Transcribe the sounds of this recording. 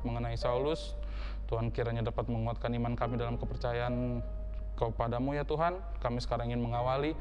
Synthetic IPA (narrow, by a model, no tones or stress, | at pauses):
t̪̚məŋənaisaulʊs | t̪uɦankiɾaɲadapat̪̚məŋuat̪̚kanimankamidalamkəpərt͡ʃajaːn | kəpadamujat̪uɦan | kamisə̥kaɾaŋiŋɪnməŋawali